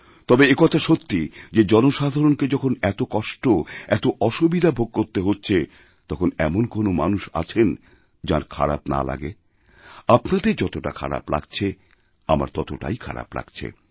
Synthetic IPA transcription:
t̪ɔbeekɔt̪ʰaʃot̪ːid͡ʑed͡ʑɔnoʃad̪ʱaɾonked͡ʑɔkʰonɛt̪okɔʃʈoɛt̪oʔɔʃubid̪ʱabʱoɡ̚koɾt̪eɦotːɕʰe | t̪ɔkʰonɛmonkonomanuʃa̰t͡ɕʰen | d͡ʑa̰ɾkʰa̰ɾa̰pna̰la̰ɡe | apnad̪eɾd͡ʑɔt̪oʈa̰kʰa̰ɾa̰pla̰ɡt͡ɕʰe | ama̰ɾt̪ɔt̪oʈa̰jkʰa̰ɾa̰pla̰ɡ̥t͡ɕʰḛ

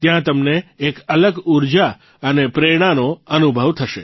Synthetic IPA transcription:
t̪jãt̪əmneːkələɡuɾd͡ʒa | ənepɾeɽ̃anoənubʱəʋt̪ʰəʃḛ

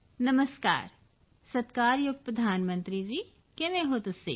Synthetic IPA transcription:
nɐməska̰ːɾ | sɐt̪kaːɾjoɡ̪̚pɾɐd̪ʱaːnmə̃nt̪ɾid͡ʒiː | kemẽɦoːt̪ʊsːḭ

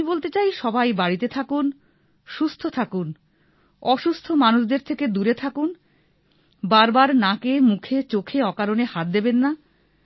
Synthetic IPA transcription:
ibolt̪et͡ɕajʃɔbajbaɽit̪et̪ʰakun | ʃust̪ʰot̪ʰakun | ɔʃust̪ʰomanuʃd̪eɾt̪ʰeked̪uɾet̪ʰakun | baɾbaɾnakemukʰet͡ɕokʰeɔkaɾonehat̪̚d̪ebenːa

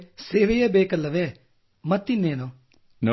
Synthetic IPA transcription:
seːʋejɛːbeːkəlːəʋeː | mət̪ːineːnõː | n

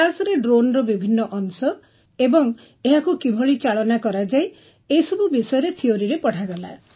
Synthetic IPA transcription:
asɔɾeɖɾonɾɔbibʱinːɔʔɔŋsɔ | ebɔŋ | eɦakukibʱɔɭit͡ʃaɭɔnakɔɾad͡ʒaj | ejsɔbubisɔjɔɾet̪ʰioɾiɾepɔɽ̤ʰaɡɔla̰

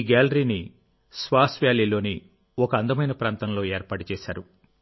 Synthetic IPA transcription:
ɡaːlɾini | sʋaːsʋjaːlilo̞ːni | ɔkɐɐnd̪ɐmɐjnɐpɾaːnt̪ɐmlo̞ːeːɾpaːʈut͡ʃɛːsaːɾu

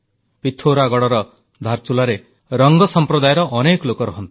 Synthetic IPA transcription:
pit̪ʰoɾaɡɔɽɔɾɔ | d̪ʱaɾt͡ʃulaɾe | ɾɔŋɡɔsɔmpɾɔd̪ajɾɔʔɔnekɔlokɔɾɔɦɔnt̪i̥

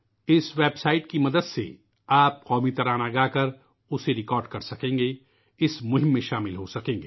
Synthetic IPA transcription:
ɪsʋeːbsaːɪʈkimɐd̪əd̪sḛ | aːp̚qɔːmit̪ɐɾaːnaɡaːkɐɾ | ʊseɾɪkɔːɾɖkɐɾsɐkẽːŋɡe | ɪsmʊɦɪ̃mːẽʃaːmɪlɦosɐkẽːŋɡeː

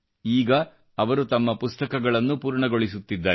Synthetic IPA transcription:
iːɡɐː | ʋɐɾut̪ɐmːɐpust̪ɐkɐɡɐɭɐnːupuːɾɳɐɡo̞ɭisut̪ːid̪ːaː

